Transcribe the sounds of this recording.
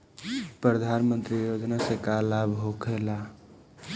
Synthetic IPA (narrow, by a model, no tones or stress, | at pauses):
pɾəd̪ʱaːnmə̃nt̪ɾijod͡ʒnasekalabʱɦokʰela